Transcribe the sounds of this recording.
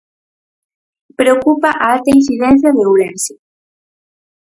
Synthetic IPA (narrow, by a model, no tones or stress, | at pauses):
pɾeokupaʔaalt̪ainsiðɛnθjaðeulense